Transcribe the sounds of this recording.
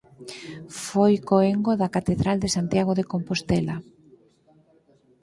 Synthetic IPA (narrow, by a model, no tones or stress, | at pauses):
fojkoeŋɡoðakat̪eðɾald̪esant̪jaɣ̞oðekompost̪ɛla